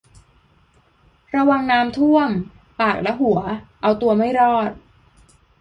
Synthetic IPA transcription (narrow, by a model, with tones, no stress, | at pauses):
ɾa˧wa˧ŋnaː˦˥mt̪ʰu˥˩əm | paː˨˩k̚lɛ˦˥ɦu˩˦ɐʔa˧wt̪u˧ɐma˥˩jɾɔː˥˩t̪̚